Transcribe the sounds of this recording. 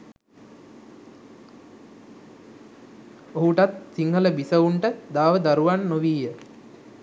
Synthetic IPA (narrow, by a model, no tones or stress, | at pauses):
oɦuʈat̪siŋɦələbisəuɳʈəd̪aːʋəd̪aɾuʋanːoʋiːjə